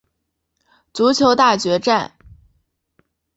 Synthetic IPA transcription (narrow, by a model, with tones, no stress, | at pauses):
t͡su˧˥t͡ɕʰjo˧˥ʊt̪a˥˩t͡ɕɥɛ˧˥ʈ͡ʂa˥˩n